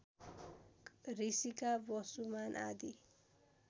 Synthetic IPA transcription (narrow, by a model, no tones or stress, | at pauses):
risikabʌsumanʔa̰d̪i